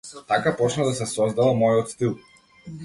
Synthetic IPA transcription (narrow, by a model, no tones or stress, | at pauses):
t̪akapɔt͡ʃnad̪asɛsɔzd̪avamɔjɔt̪st̪ilˠ